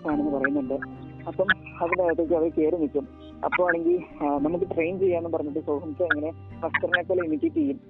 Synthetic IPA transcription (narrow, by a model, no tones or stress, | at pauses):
aːnɐnːɨpɐrɐjunːuɳɖɨ | ɐpːɐm | ɐðund̪aːjat̪ːekiɐʋɐɾke̞ːɾunːikʲːum | ɐ̰pːomaːɳe̞ŋɡilnɐmukːɨʈrejnt͡ɕejːaːenːɨpɐrɐɲːuʈːɨsoːbʰɐmit͡ɕːɨɐŋːɐne̞ | pɐstɐrinekːoːlːɐimiʈʲːitːijːum